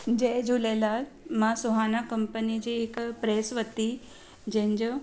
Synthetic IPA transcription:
d͡ʑeːd͡ʑulelaːmãsʊɦaːnakɐ̃mpənid͡ʑiːɦɪkpɾeːsʋət̪i | d͡ʑɐ̃ɦɪ̃ɲd͡ʑoː

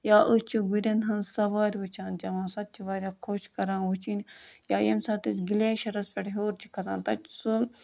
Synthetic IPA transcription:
jaːʔɨt͡ʃʰuɡuɾʲɐnɦɐnzsɐʋaːɾʲʋɨt͡ʃʰaːnd͡ʒɐʋãːsɐt̪̚t͡ʃʰiʋaːɾʲjaːkʰoːʃkɐɾãːnʋut͡ʃʰinjaːjemsɐːt̪isʲɡilʲeːʃɐɾɐspʲɐʈɦoːɾt͡ʃʰi̥kʰɐt̪ã̰ːnt̪ɐt͡ʃsul

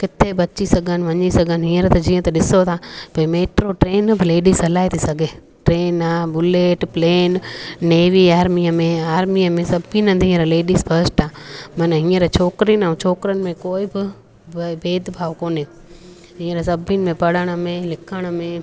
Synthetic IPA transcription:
kɪt̪ʰebɐt͡ɕisɐɡʱənɪ̆ʋɐɲisɐɡʱənɪɦĩːəɾt̪ɐd͡ʑĩːə̃t̪ɐɗɪsot̪ʰaːpɐimeːʈɾoʈɾeːnbɪleːɗizɐlaːit̪ʰisɐɡʱeː | ʈɾeːnaːbʊleːʈpleːnːeːʋiaːɾmiːəmẽaːɾmiəmẽsɐbʱinɐ̃d̪ʱĩːə̃ɾleːɗiːzfʰɐɾsʈaːmɐnəɦĩːəɾt͡ɕʰoːkɾinaũt͡ɕʰoːkɾənɪ̆mẽkoːɪbɪ | beːd̪bʱaːʋkoːne | ɦĩːə̃ɾsɐbʱɪnɪ̆mẽpɐɽ̤əɽ̃ə̆mẽlɪkʰəɽ̃ə̆mẽː

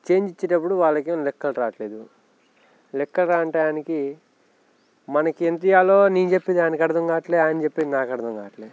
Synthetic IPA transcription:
t͡ʃe̞ːɲd͡ʒit͡ʃːeʈɐpːuɽuʋaːlːɐkelɛkːɐlɾaːʈleːd̪u | lɛkːɐlɾaːɐɳʈɐjaːniki | mɐnɐkient̪̬ijaːloːniːnt͡ʃepːid̪aːnikɐɽɐd̪ɐŋɡaːʈleːaːjɐnit͡ʃepːed̪inaːkɐɽɐd̪ɐŋɡaːʈleː

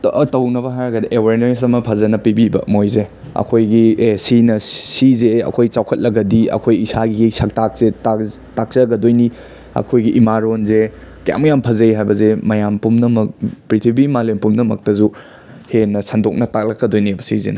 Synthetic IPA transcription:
tɐwnɐbɐɦajɾɐɡɐdiʔewaɾnos̬ɐmɐpʰɐzɐnɐpibibɐ̰mojze | ɐ̰kʰojɡisinɐsizeɐ̰kʰojt͡ʃawkʰɐt̚lɐɡɐdiɐ̰kʰojisaɡiɡesɐk̚tak̚seta | tak̚t͡ʃɐɡɐdojni | ɐ̰kʰojɡiʔimaɾonze | kɐja̰mɐjampʰɐzɐjɦajbɐzemɐjampumnɐmɐk̚pɾitʰibimalempumnɐmɐk̚tɐzu | henːɐsɐndok̚nɐtak̚lɐkːɐdojnibɐsḭzḛnɐ

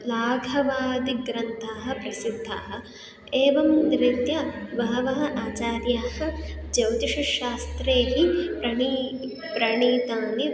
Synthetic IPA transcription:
laːɡʱɐʋaːd̪iɡɾɐnt̪ʰaːɦɐ̆pɾɐsid̪ʱːa̰ːɦɐ̆ | eːʋɐmd̪ɾit̪jɐʋɐɦɐʋɐɦɐ̆ʔaːt͡ʃaːɾjaːhɐ̆d͡ʒɐwt̪iʃɐʃaːst̪ɾeːɦipɾɐɳi | pɾɐɳiːt̪aːni

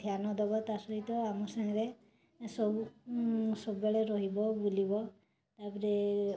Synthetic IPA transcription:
t̪ʰjanɔd̪ɔbɔt̪asɔɦit̪ɔamɔsaɦɾe | sɔbu | sɔbbeɭeɾɔɦibɔbulibɔ | t̪apɔɾe

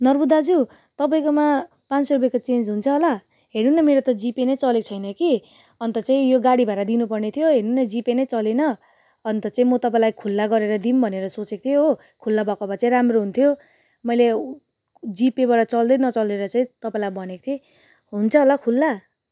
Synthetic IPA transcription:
nʌrbud̪ad͡zu | t̪ʌpaĩkoma | pãnrupʌekot͡send͡zɦunt͡sʰʌɦola | ɦeɾnunʌmeɾot̪ʌd͡zipenʌjt͡sʌlekt͡sʰʌjnʌki | ʌnt̪ʌt͡saĩjoɡaɽibʱajɾad̪inupʌrnet̪ʰjoɦeɾnunʌd͡zipenʌjt͡sʌlenʌ | ʌnt̪ʌt͡saĩmʌt̪ʌpaĩlajkʰulːaɡʌɾeɾʌd̪imbʱʌneɾʌsot͡sek̚t̪ʰijoɦo | kʰulːabʱʌkabat͡saĩramroɦunt̪ʰjo | mʌjle | d͡zipebaɾat͡sʌld̪ʌjnʌt͡sʌld̪eɾʌt͡saĩt̪ʌpaĩlajbʱʌnekt̪ʰi | ɦunt͡sʰʌɦolakʰulːa

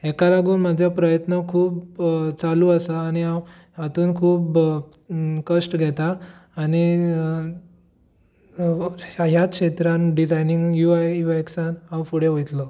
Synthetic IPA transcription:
ɛkaɾaɡuːnmad͡ʑʱjapɾəjət̪nəkʰuːpt͡saluːasaːñiaw | ɦat̪uːnkʰuːp | kəsʈɡʱɛt̪aːñi | ɦjakɕet̪ɾanɖid͡zajniŋɡjuajjuaeksanawfuɽeʋojt̪lɔ

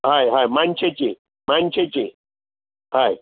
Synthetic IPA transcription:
ɦajɦajmãnt͡ɕʰet͡ɕe | mant͡ɕʰet͡ɕe | ɦaj

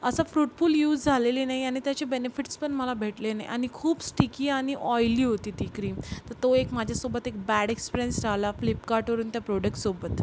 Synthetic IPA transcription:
əsafɾuʈfuːljuːd͡zd͡zʱalelinaiañit̪jat͡ɕebenefiʈspəɳməlabʱeʈlenaj̰ʔa̰ñikʰuːbsʈikiːaɽ̃iʔɔjliːɦot̪iːd̪ikɾiːt̪əɾt̪oekmad͡ʑʱjasobət̪ek̚bæɽekspiɾjənsɾalaflipkaɾʈʋəɾuːnt̪japɾoɽək̚ʈsobət̪

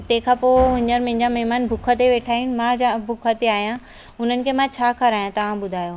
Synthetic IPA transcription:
t̪ɐ̃ɦkʰãpoʊɦɪ̃ɲəɾmɐ̃ɦɪ̃ɲd͡ʑamɐɦmaːnbʱʊkʰət̪eʋeːʈʰaːiun̆mãd͡ʑabʱʊkʰət̪eaːɦijã | ʊn̤ənɪ̆kʰemãt͡ɕʰaːkɐɾaːjãt̪ɐʋ̤ãɓʊd̪ʱaːjoː

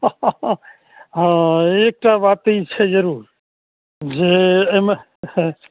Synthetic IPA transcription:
ɦãek̚ʈabat̪it͡ʃʰɛd͡ʒəɾuːɾ | d͡ʒeme

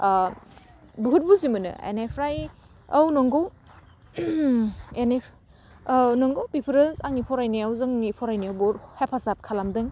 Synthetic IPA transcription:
buɦut̚buzimɯnɯ̰ḛnepʰɾaj | awnɔŋɡow | ene | nɔŋɡowpipʰɾɯnsaŋnipʰɔɾajneawzɯŋipʰɔɾajniawboɾhepʰasat̚kʰalamdɯŋ

